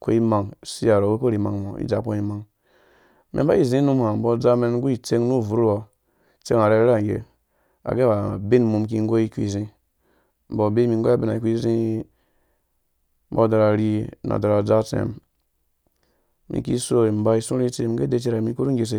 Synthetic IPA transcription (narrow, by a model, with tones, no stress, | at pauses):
ko̰˦i˦ma˨ŋ˨si˦a˨ɾo˨ɡe˦ko˦ɾi˨ma̰˨ŋmo˨ḭ˦d͡za˨˦ko˦i˦ma˨ŋ | mḛ˨˦ba˦i˦˨zĩ˦nu˦mha˨m̩˨bo˧˦d͡za˦me˧n˦ɡu˦i˨t͡se˦ŋnu˦˨vu˨ɾwa˨ | t͡se˦ŋa˨ɾe˧˦ɾa˦˨ŋɡḛ˨ | a̰˨ɡe˦ba˨bi˦nmu˧mk̬i˧ŋ˦ɡo˦i˧kḭ˦˨zĩ˧ | m̩˨bo˨be˦mi˧ŋ˦ɡo˦a˦be˦na˨i˨ku˦i˦zĩ˦ | bo˦da˨˧ɾa˨ɾi˦na̰˨da˨ɾa˨d͡za˦t͡sḛ˨m | mḭ˨kḭ˦so˦i˨m̩˨ba˧i˦sũ˦ɾi˦t͡se˦mi˨˦ɡe˦de˦t͡ʃi˦ɾa˨mi˦ku˦ɾu˦ŋɡʲe˧s̬e˦